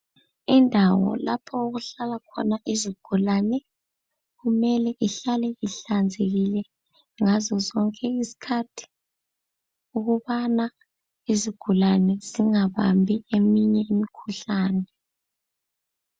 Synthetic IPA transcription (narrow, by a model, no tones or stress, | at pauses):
indʱawɔ̰la̰pʰɔoɣuɬalakʰɔ̰naʔiziɡ̥ʱulanɛ | ɣumɛlɛʔiɬalɛiɬand͡zʱeɣilɛ | ŋazɔzɔŋkʼɛisi̥kʰatʰi̥ | uɣuβana | iziɡ̥ʱulanɛz̥iŋaβa̰mbʱiemiɲɛimikʰuɬaːnɛ